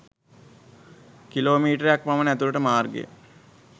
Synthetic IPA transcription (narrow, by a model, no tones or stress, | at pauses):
kiloːmiːʈəɾejak̚pamənæt̪uləʈəmaːrɡḛə̰